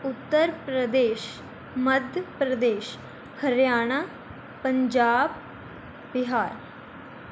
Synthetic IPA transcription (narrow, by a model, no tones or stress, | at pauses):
ʊt̪ːəɾpɾəd̪eːʃ | məd̪ʱjəpɾəd̪eːʃ | hʰəɾjaːɽ̃aː | pəɲd͡ʒaːb̚ | bɪɦaːɾ